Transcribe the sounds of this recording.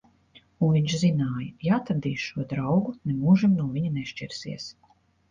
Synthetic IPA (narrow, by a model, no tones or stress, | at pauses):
unviɲʃzinaːjɐjaaːt̪aɾd̪iːʃuɔd̪ɾawɡunɛmuːʒimnuɔviɲunɛʃt͡ʃɛɾsḭɛs